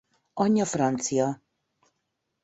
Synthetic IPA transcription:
ɔɲʲɔfɾant̪sija

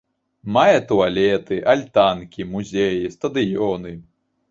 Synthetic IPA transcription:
majɛt̪ualʲɛt̪ɨʔalʲt̪ankʲimuzʲɛjist̪ɐd̪ɨjɔnɨ

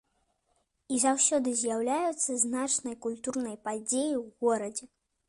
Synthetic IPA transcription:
izawsʲɔd̪ɨzʲjawlʲajut̪sːɐznat͡ʂnɐjkulʲt̪urnɐjpad͡zʲejiwɣɔɾɐd͡zʲɛ

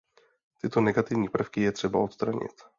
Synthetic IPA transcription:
t̪ɪt̪o̞nɛɡat̪ɪvɲiːpr̩fkɪjɛt̪r̥ɛbaot̪st̪ɾaɲɪ̰t̪

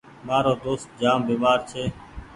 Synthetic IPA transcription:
maːɾoːd̪oːst̪̚d͡ʒaːmbiːmaːɾt͡ʃʰeː

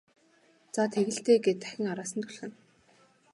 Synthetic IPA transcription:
t͡sat̪ʰeɣɘ̆ɬt̪eːɡet̪æ̥xʲɪ̆ŋaɾaːsə̆nt̪ʰʊɮxɘ̆n

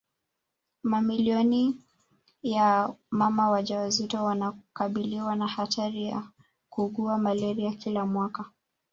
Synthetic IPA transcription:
mamiliɔni | jamamawaʄawazitɔwanakaɓiliwanahatʰaɾija̰ | kuɠuamalɛɾiakilamwaka

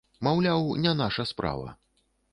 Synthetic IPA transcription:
mawlʲawnʲɛnaʂɐspɾa̰vɐ̰

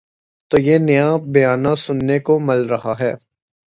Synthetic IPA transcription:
t̪oːjenɐjabɐjaːnasʊnːekomɐlɾɐɦaɦɛː

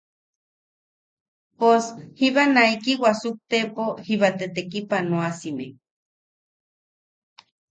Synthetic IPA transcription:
poshiβanaikiwasuk̚t̪epohiβat̪et̪ekipanoasime

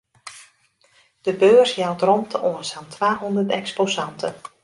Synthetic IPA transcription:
d̥əbøːrsjawtrɔntʰəʔoənsantʰʋaːɦondərtɛksposɑntʰən

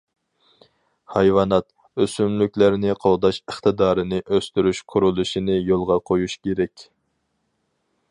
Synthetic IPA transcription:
hɑjwɑːnɑt̪̚ | øsymlykʲlæɾnɪqʰolˠd̪ɑʃəχt̪ɨd̪ɑːɾɨnɪʔøst̪yɾyʃqʰʊɾulˠuʃinɪjolˠʁɑqʰojuʃkʲʰeɾɛkʲ

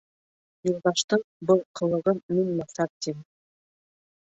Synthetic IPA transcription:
jŭlˠd̪ɑʃt̪ɤɴbɤlˠqʰɤ̆lˠɤ̆ʁɤnːinmɑsɑp̚t̪im

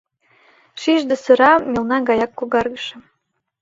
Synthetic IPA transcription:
ʃiʒd̪ɤ̆sɤ̆ɾɑmʲelnɑɡɑjɑkːoɣɑrɣə̆ʃĕ

